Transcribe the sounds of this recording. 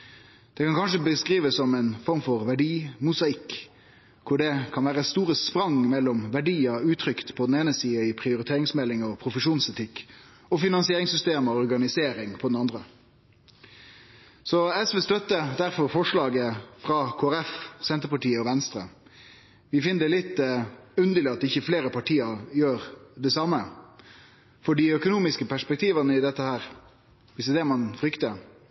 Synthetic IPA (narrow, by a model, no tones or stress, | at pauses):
d̪̥ɛkɑnkʰɑnʂ̬əbəskʁiːʋəsːɔmɛnfɔʁmfɔʁʋæɖiːmʊsɑɪkː | kʰʊɖɛkʰɑnʋæːʁəst̪uːʁəspɾɑŋmɛlːɔmʋæɖiːəʉːt̪ʰɾʏkt̪pʰɔd̪ɛneːnəsiːəɪpʰʁɪʊɾɪt̪ʰeːʁɪŋsmɛlːɪŋɔpʰɾʊfəʂuːnsɛt̪ʰɪkː | ɔfɪnɑnsɪeːʁɪŋsʏst̪eːmɔɔʁɡɑnɪseːɾɪŋpʰɔd̪ɛnɑnd̪ʁə | sɔɛsʋɛst̪œt̪ːəd̪æʁfɔɾfɔʂɭɑːɡəfʁɑkʰoːæɾɛfsɛnt̪əɾpɑʈiːəɔʋɛnst̪ɾə̰ | ʋɪfɪnəd̪ɛlɪt̪ːʉnd̪əlɪɑt̪ɪçːəfleːɾəpɑʈʰiːəɾjøːɾd̪ɛsɑmːə | fɔɖiœkʊnuːmɪskəpæʂpɛk̚t̪ʰiːʋənəɪd̪ɛt̪ːəhæːɾ | ʋɪsɛd̪ɛmɑnfɾʏkt̪ə